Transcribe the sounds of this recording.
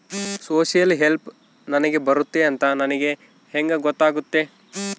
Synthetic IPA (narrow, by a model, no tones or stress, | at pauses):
soːsijɐlɦelp | nɐnɐɡe̞bɐɾut̪ːeɐnt̪ɐnɐnɐɡe̞ | heŋɡɐɡɔt̪ːaːɡut̪ːe̞